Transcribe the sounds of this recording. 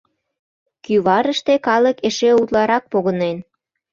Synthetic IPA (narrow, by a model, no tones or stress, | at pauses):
kyβɑɾəʃt̪ekɑləkeʃeut̪lɑɾɑk̚poɣənen